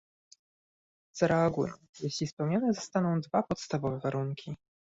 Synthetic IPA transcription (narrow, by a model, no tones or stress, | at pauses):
z̥aɾɛaɡujɛ̰̃ | jeɕlʲispɛwɲanɛzɔst̪anɔ̃w̃d̪vapɔt̪st̪avɔvɛvaɾuŋkʲʰi